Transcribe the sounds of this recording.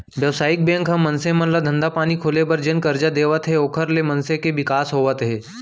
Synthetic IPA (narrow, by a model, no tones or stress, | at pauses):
ʋjəʋsaːik̚bẽŋkɦə̃mənsẽmənlad̪ʱənd̪apañiːkʰolebəɾd͡ʑenkəɾd͡ʒad̪eʋət̪ɦeokʰəɾlemənsẽkeʋikaːsɦoʋət̪ɦe